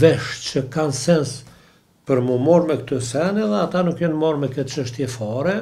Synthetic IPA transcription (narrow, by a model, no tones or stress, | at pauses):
vɛʃt͡ʃəkansɛns | pəɾmumɔɾmɛkt̪ɔsɛnɛðɛat̪anukjɔnmɔɾmɛkɛt͡ʃəʃt̪jɛfɔɾɛ